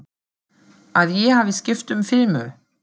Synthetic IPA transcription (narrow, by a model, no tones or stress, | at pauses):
aðjɛhaːvɪscɪft̪ʏmfɪlmʏ